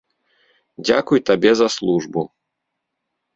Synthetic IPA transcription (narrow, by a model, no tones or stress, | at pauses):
d͡zʲa̰kujt̪abʲɛzɐslˠuʐbu